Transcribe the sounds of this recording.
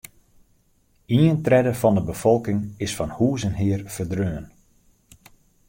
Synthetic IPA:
iəntrɛdəfɔndəbəfɔlˠkɪŋɪsfɔnhuːzənɦɪərfərdrøːən

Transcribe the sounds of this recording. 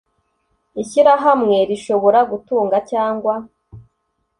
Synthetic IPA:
içiɾaɦamŋe̞ɾiʃo̞βo̞ɾaɡutuːŋɡacaːŋɡwa

